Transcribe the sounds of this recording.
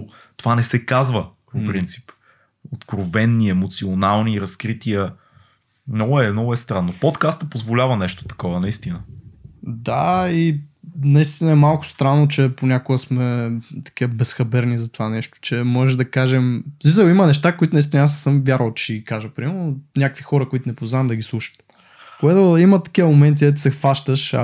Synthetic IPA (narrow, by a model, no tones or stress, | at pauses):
t̪ovanɛsɛkazvəpoppɾint̪si̥p | ot̪kɾovɛnːiɛmot̪sionalˠniɾɐskɾit̪iə | nɔɡʊɛnɔɡʊɛst̪ɾanːopɔt̪kast̪əpozvolʲavɐnɛʃt̪o̥t̪ɐ̥kɔvənɐist̪inə | d̪ainɐist̪inɐɛmalˠkʊ̥st̪ɾanːot͡ʃɛponʲakoɡəsmɛt̪ɐ̥kʲiəbɛsxɐbɛɾnizɐt̪ovanɛʃt̪o̥t͡ʃɛmɔʒɛʒd̪ɐkaʒɛmzvizəlimɐnɛʃt̪akoit̪ʊnɐist̪inasːɤmvʲjaɾəlˠt͡ʃɛsʲɡikaʒəpɾimɛɾnonʲakəkvixɔɾəkoit̪ʊnɛpozaɐmd̪ɐɡʲislˠuʃə̥t̪ | koɡat̪oimɐt̪ɐ̥kʲivəmomɛnt̪̬id̪ɛt̪əsɛxvaʃt̪əʃ